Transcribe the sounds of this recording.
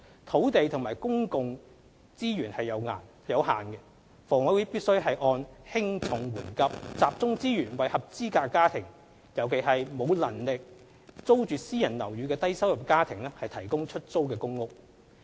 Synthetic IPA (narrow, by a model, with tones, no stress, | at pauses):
t̪ʰo˨˥wt̪e˨jt̪ʰʊ˨˩ŋmaː˨˩jkʊ˥ŋkʊ˨ŋ | t͡siː˥ɥyː˨˩nhɐ˨jːɐ˨˧wŋa̰ː˨˩n | jɐ˨˧wɦaː˨˩nkɛ˧ | fɔː˨˩ŋɔ˨˧˥wu˨˥piː˥t̚sɵ˥ɥɦɐ˨jʔɔː˧nhɪ˥ŋt͡sʰʊ˨˥ŋwuː˨˩nkɐ˧p̚t͡saː˨p̚t͡sʊ˥ŋt͡siː˥jyː˨˩nwɐ˨jhɐ˨p̚t͡siː˥kaː˧kːaː˥t̪ʰɪ˨˩ŋ | jɐ˨˧wkʰe˨˩ɦɐ˨jmo˨˧wlɐ˨˩nlɪ˨k̚ | t͡so˥wt͡ʃyː˨siː˥jɐ˨˩nlɐ˨˩wjyː˨˧kɛː˧t̪ɐ˥jsɐ˥wjɐ˨p̚kaː˥t̪ʰɪ˨˩ŋlɛː˥hɐ˨jt̪ʰɐ˨˩jkʊ˥ŋt͡ʃʰɵ˥t̚t͡so˥wkɛː˧kʊ˥ŋːʊ˨k̚